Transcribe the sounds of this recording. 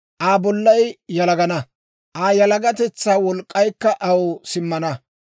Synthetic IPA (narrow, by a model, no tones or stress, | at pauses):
ʔaːbɔlːɐjjɐlɐɡɐnɐ | ʔaːjɐlɐɡɐt̪ɛt͡sːaːwɔlkʼːɐjkːɐʔɐwɔsɪmːɐnɐ